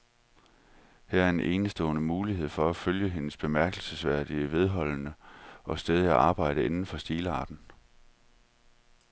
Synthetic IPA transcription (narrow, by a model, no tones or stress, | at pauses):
hæɐɐe̝nʔe̝ːnəsd̥ɔ̰̽ːnəmuːliɦe̝ð̰ˠfɒ̽æføljəɦe̝nəsb̥e̝mæɐ̰ɡ̥l̩səsʋæɐ̰d̥iəʋe̝ð̞ˠɦɒ̽l̰nəʔɒ̽sd̥eð̞ˠæʔɑ̈ːb̥ɑ̈ɪ̰ɾ̥əe̝nn̩fɒ̽sd̥iːləɑ̈ːd̥n̩